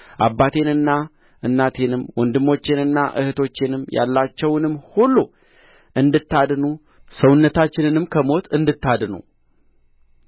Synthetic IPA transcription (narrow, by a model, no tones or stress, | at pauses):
ʔabːat̪ʰe̞nɨnːa | ʔɨnːat̪ʰenɨmwɔnd̪ɨmːo̞t͡ʃːɪnɨnːaʔɨ̰hɨt̪ʰo̞t͡ʃːenɨmja̰lːat͡ʃːɛwnɨmːhulːu | ʔɨnd̪ɨt̪ːad̪nu | səwʊnːət̪ʰat͡ʃːɪnɨnɨmkʰəmo̞t̪ʰɨnd̪ɨt̪ːad̪nṵ